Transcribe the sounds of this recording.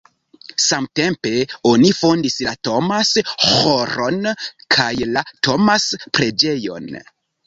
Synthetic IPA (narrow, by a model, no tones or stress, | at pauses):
samte̞mpe̞o̞nifo̞ndislato̞mashoɾo̞nkʰajlatʰo̞maspɾe̞d͡ʒe̞jo̞̰n